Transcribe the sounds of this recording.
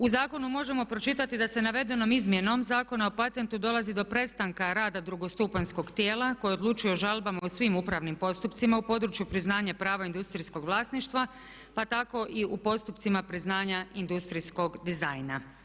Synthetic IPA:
uzaːko̞numo̞ʒe̞mo̞pɾo̞t͡ʃit̪at̪id̪ase̞naʋe̞d̪e̞no̞mizmje̞no̞mzaːko̞naopat̪e̞nt̪ud̪o̞lˠazid̪o̞pɾe̞t̪st̪aŋkaɾaːd̪ad̪ɾuɡo̞st̪upansko̞ɡt̪je̞ːlˠako̞jiod̪lˠut͡ʃujoʒalˠbamausʋimupɾaʋnimpo̞st̪upt̪simaupo̞d̪ɾut͡ʃjupɾiznaːɲapɾaːʋaind̪ust̪ɾisko̞ɡʋlˠaːsniʃt̪ʋa | pat̪ako̞ʔiupo̞st̪upt̪simapɾiznaːɲaind̪ust̪ɾisko̞ɡd̪izajna

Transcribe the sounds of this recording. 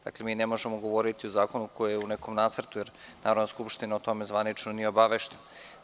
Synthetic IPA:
d̪a̰kle̞miːnemo̞ʒemoɡo̞ʋo̞ɾit̪iozaːko̞nukojejeuneko̞mnaːt̪sr̩t̪ujeɾnaːɾod̪naskupʃt̪inaot̪o̞me̞zʋanit͡ʃnonieobaʋeʃt̪en

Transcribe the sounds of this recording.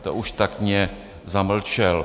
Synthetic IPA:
t̪o̰ʔuʃt̪akɲɛ | zaml̩t͡ʃɛl

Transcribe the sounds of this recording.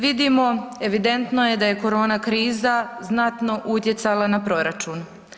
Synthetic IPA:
ʋid̪imo̞e̞ʋid̪e̞nt̪noje̞d̪aje̞ko̞ɾo̞ːnakɾiːzaznat̪no̞ʔut̪je̞t̪salˠanapɾo̞ɾat͡ʃuːn

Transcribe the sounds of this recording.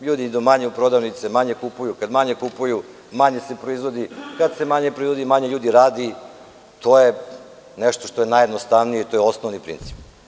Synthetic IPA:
ʎuːd̪inid̪umaɲeupɾod̪aʋnit̪semaɲe̞kupujukad̪maɲe̞kupuju | maɲe̞sepɾoizʋo̞d̪ikad̪se̞maɲe̞pɾoizʋod̪imaɲeʎuːd̪iɾaːd̪i | t̪ʰo̞je | neʃt̪o̞ʃt̪ojenajed̪nost̪aʋnijeit̪o̞jeo̞snoʋnipɾḭnt̪si̥p

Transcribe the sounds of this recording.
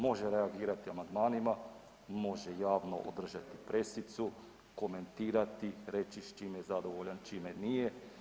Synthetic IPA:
mo̞ʒeɾeaɡiːɾat̪iamand̪maːnima | mo̞ʒejaːʋno̰ʔo̰d̪r̩ʒat̪ipɾe̞sit̪su | ko̞me̞nt̪iːɾat̪iɾe̞t͡ʃiʃt͡ʃiːmjezad̪o̞ʋoʎant͡ʃimenije

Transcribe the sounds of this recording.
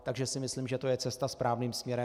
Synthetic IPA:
t̪aɡʒɛsɪmɪsliːmʒɛt̪o̞jɛt͡sɛst̪aspɾaːvniːmsmɲɛɾɛ

